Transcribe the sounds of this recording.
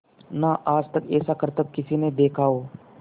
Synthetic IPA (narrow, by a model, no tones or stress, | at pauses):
naʔaːd͡ʒt̪ɐkɛːsakəɾt̪əb̚kɪsineb̪eːkʰaːoː